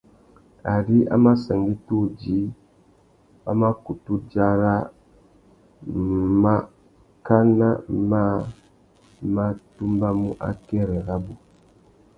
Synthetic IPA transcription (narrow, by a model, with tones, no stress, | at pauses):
a˨di˦a̰˦ma˦sɛ˨ŋɡi˦tu˦˨d͡ʒi˨˦ | ba̰˦ma˦ku˨tu˦d͡ʒa˦ɾa˦ | ma˦ | ka˦na˦ma˦˨ | ma˦tu˦mba˦mu˦ʔa̰˦kɛ˦ɾɛ˨ɾa˦bu˨